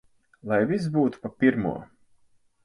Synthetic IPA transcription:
lˠajvis̬buːt̪u̥papʲiɾmṵɔ

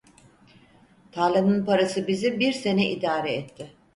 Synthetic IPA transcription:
t̪ʰalʲanɯnpaɾasɯbizibiɾse̞nɛʔid̪aːɾɛɛt̪ʰːɪ

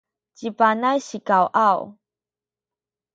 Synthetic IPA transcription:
t͡ɕipanajɕikawʔaw

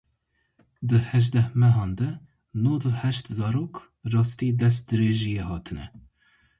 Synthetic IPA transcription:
d̪ɨhɛʒd̪ɛhmɛɦɑːnd̪ɛ | noːd̪əhɛʃt̪zɑːɾoːk | rɑːst̪iːd̪ɛs̬t̪̚d̪ɨɾeːʒijeːhɑːt̪ʰɨnɛ̰

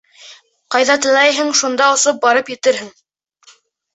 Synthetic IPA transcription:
qɑjðɑt̪ɤ̆lˠɑjɦɤɴʃund̪ɑŏsɤp̚bɑɾɤpjɘ̆t̪ɘɾɦɘŋ

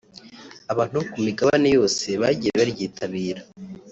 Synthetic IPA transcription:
aβaːn̥hukumiɡaβanejo̞ːse̞βaɟiɾeβaɾɟiːtʰaβiːɾa

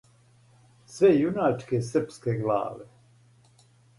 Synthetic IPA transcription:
sʋejunaːt͡ʃkesr̩pskeɡla̰ːʋe

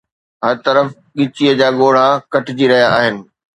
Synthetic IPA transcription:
ɦɐɾt̪ɐɾəf | ɠɪt͡ɕiəd͡ʑaːɠoːɽ̤akɐʈɪd͡ʑiɾɐɦijaːɦɪnɪ̆

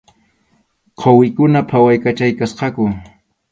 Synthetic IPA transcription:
qʰowɪkʊnapʰawajkat͡ʃajkasqɑkʊ

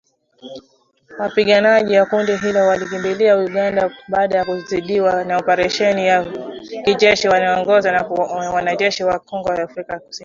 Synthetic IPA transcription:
wapiɠanaʄiwakundiɦilɔwalik̬imbiliauɠandaɓaːɗajakuziɗiwanaɔpaɾɛʃɛnijakiʄɛʃiwanaɔŋɡɔzanawanaʄɛʃiwakɔŋɡɔjaːfɾikaku̥sini

